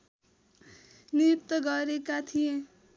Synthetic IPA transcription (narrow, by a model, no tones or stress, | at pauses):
niuk̚t̪ʌɡʌɾekat̪ʰijẽ